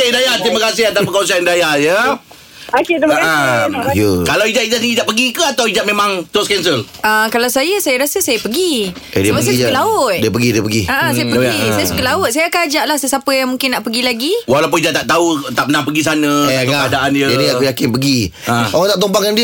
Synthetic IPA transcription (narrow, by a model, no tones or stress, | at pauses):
edajat̪ɾimakasɪhat̪apəkons̬andajajə | akaajəkalawid͡ʒaʔ̪̚id͡ʒaʔniid͡ʒaʔpəɡikəat̪awid͡ʒaʔ̚mẽmãŋt̪oskɛnsəl | ʔakalawsajəsajaɾasəsajəpəɡi | ʔḛdiəbaəɡislaʊt̪̚diəpəɡidiəpəɡiaʔasajəpəsajəsəkəlaʊt̪̚sajakaad͡ʒaʔlahsəsapəjaŋmũŋkɪnːaʔpəɡilaɡiwalawp̬ʊnid͡ʒaʔ̚t̪aʔt̪aut̪aʔpənaŋpəɡis̬anə̃kakadaʔanjəaniakujakɪnpəɡiaoaŋt̪aʔt̪̬ompaŋkandi